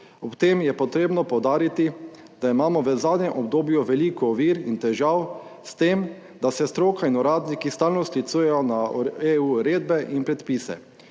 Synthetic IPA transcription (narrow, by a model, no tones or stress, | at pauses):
ɔpt̪eːmjɛpɔt̪ɾeːbnɔpɔwd̪aːɾit̪i | d̪̥aimaːmɔʋəzaːd̪ɲɛmʔɔb̚d̪oːbjuʋɛliːkɔːʋiːɾint̪ɛʒaw | st̪eːm | d̪asɛst̪ɾoːkainɔɾaːd̪nikist̪aːlnɔslit̪suːjɛjɔnaeuɾeːd̪̚bɛʔinpɾɛt̪piːsɛ̰